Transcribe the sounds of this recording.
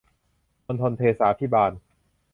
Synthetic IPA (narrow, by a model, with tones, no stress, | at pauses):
o˧nt̪ʰo˧nt̪ʰeː˧saː˩˦˥p̪ʰiː˦˥˩baː˧n